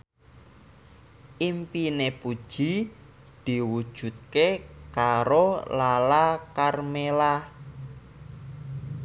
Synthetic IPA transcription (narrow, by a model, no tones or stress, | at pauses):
ʔimpinepud̥ʒ̥i̤ | d̪̥i̤wud̥ʒ̥ṳt̪̚kekaɾolalakarmela